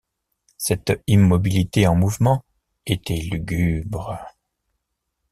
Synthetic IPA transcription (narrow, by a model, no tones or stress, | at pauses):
sɛt̪imːɔbilit̪eɑ̃muvmɑ̃ | et̪ʰɛlyɡʲybʁə